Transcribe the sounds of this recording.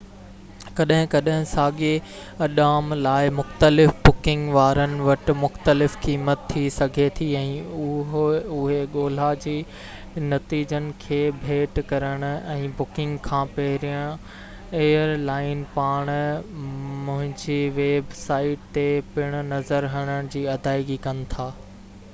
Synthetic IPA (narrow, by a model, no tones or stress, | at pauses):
kɐɗɦɪ̃kɐɗɦɪ̃saːɠe | ɐɗaːmlaːɪmʊxt̪əlɪfbʊkɪ̃ŋɡʋaːɾənɪ̆ʋɐʈ̆mʊxt̪əlɪfkiːmət̪ʰːisɐɡʱet̪ʰiɛ̃ːʊɦʊɦeɠoːl̤ad͡ʑiː | nɐt̪iːd͡ʑənɪ̆kʰeːbʱeːʈkɐɾəɽ̃ʊ̆ɛ̃ːbʊkɪ̃ŋɡkʰãːpɐɦɪɾijə̃ | eːəɾlaːɪnpaːɽ̃ | mʊ̃ɦɪ̃ɲd͡ʑeʋeːbsaːɪʈt̪epɪɽ̃ʊ̆nɐzəɾɦɐɽ̃əɽ̃̆d͡ʑiːɐd̪ʱaːɪɡikɐnɪ̆t̪ʰaː